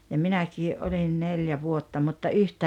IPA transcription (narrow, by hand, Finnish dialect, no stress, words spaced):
jɑ minækiːʔ ʔolin neljæ ʋuotːɑ mutːɑ yhtæː